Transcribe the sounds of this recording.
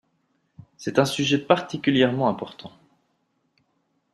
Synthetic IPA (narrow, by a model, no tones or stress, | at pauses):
sɛt̪ɛ̃syʒɛpaʁt̪ikʲyljɛʁmɑ̃ɛ̃pɔʁt̪ʰɑ̃